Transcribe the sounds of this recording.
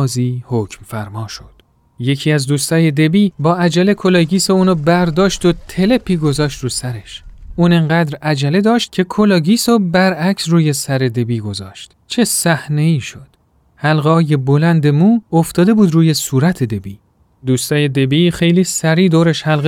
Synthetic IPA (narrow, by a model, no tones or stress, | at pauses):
ziːhocʰmfæɾmɒːʃod̪̥ | je̞cʰiːæzd̪uːst̪ʰɒːje̞d̪e̞biːbɒːæd͡ʒæle̞kʰolɑɟiːseuːnobæɾd̪ɒːʃt̪ot̪ʰe̞le̞pʰiːɡo̞zɒːʃt̪ɾuːsæɾe̞ʃʔuːneŋɢæd̪ɾæd͡ʒæle̞d̪ɒːʃt̪̚cʲʰe̞kʰolɑːɟiːsobæɾæcʰsruːje̞sæɾe̞d̪e̞biːɡo̞zɒ̰ːʃt̪ | t͡ʃʰe̞sæhneiːʃo̞d̪̥ | hælɣeɒːjebolænd̪e̞muːoft̪ɒːd̪e̞buːd̪ruːje̞suːɾæt̪ʰe̞d̪e̞biː | d̪uːst̪ɒːjed̪e̞biːxe̞jliːsæɾiːd̪oːɾeʃhælɣ